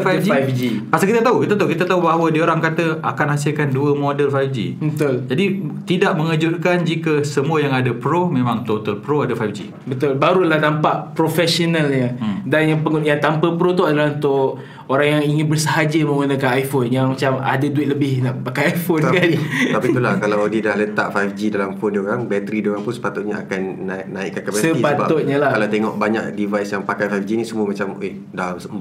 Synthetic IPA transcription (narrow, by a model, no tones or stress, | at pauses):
fad͡ʒiajfd͡ʒipasakit̪at̪aukit̪at̪aukit̪at̪aubaɦawədiəoɾaŋkat̪əa̰kanhas̬ɪlkanduəmodəlfajfd͡ʒḭbət̪ʊld͡ʒadit̪idaʔməŋəd͡ʒʊt̪̚kand͡ʒikəsəmuəjaŋadapɾomẽmãŋt̪ot̪əlpɾoadafajfd͡ʒḭ | bət̪ʊlbaɾulahnampaʔpɾofɛsonəlɲədanjaŋpəŋnjat̪ampəpɾot̪oadalaɦunt̪ʊʔ | oɾaŋjaŋiŋɪnbərsəɦad͡ʒəmə̃ŋunəkanajfonjaŋmat͡ʃama̰daduɪt̪̚ləbɪhnaʔpakajajfonskalit̪apit̪ulahkalawdidahlət̪a̰ʔfajfd͡ʒidalamfondioɾaŋbɛt̪əɾidioɾaŋpunsə̥pat̪ut̪̚ɲaakanːaːaḭʔkːankapasisəipatbaʊt̪̚ɲalahkalawt̪eŋɔʔbaɲa̰k̚divajsjaŋpakajfajfd͡ʒinisəmũamat͡ʃame | dasə